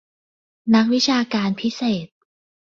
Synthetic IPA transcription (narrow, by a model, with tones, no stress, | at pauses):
na˦˥k̚wi˦˥t͡ɕʰaː˧kaː˧npʰi˦˥seː˨˩t̪̚